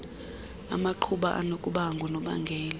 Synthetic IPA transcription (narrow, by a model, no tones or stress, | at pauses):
a̰maǃʰuɓaʔa̰nokʼuɓaŋɡʱɔnɔɓa̰ŋɡʱɛːl